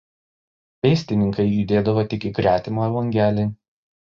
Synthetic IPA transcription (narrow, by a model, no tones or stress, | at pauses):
pʲɛɪsʲt̪ʲɪnʲɪŋkɐɪjud̪ʲeːd̪ɐʋoːt̪ʲɪkʲɪkɾʲæːt̪ʲɪmoːɛlˠɐŋʲɡʲæːlʲɪ